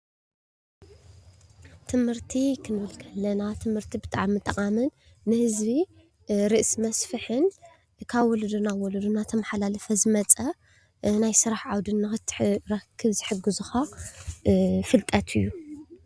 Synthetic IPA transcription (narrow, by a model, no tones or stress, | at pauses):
t̪ʰɨmhɨɾt̪ʰikʰɨnβɨlkʰɐlːɐnat̪ʰɨmhɨɾt̪ʰibɨt̪ʼaʕamːɨt̪ʼːɐχʼamɨnː | ɨhɨzbi | ɾɨʔsmɐsfɨħɨn | kʰaβwɔlɐd̪unawɔlɐd̪unat̪ʰɐmaħalalɐfɐzɨmɐt͡sʼɐ | najsɨɾaħʕawd̪ɨnːɨxɨt̪ʰːħɾɐkʰːɨβzɨħɨɡɨzuxa | fɨlt̪ʼɐt̪ʰɨjːu